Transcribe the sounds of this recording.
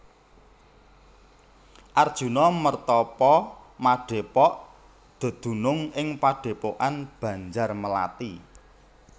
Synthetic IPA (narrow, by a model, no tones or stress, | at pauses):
ʔard̥ʒ̥ṳnɔmərt̪ɔpɔmaɖ̥e̤pɔʔ | d̪̥o̤d̪̥ṳnʊŋɪŋpaɖ̥e̤poʔanb̥ä̤ɲd͡ʒarməla̰t̪i